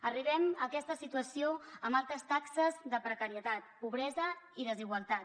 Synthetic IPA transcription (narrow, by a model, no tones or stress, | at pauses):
əriβɛməkɛst̪əsit̪uəsioəmbalˠt̪ɾəst̪aksəzðəpɾəkəɾiət̪at̪̚puβɾɛzəiðəziɣwəlˠt̪at̪